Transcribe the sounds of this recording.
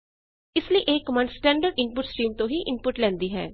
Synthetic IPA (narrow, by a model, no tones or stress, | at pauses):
ɪsliiʔeːkmənsʈɛ̃ːɳɖəɖɪnpʊʈsʈiːmt̪õːɦiːʔɪnpʊʈlɛ̃ːnd̪iːɦɛ̰ː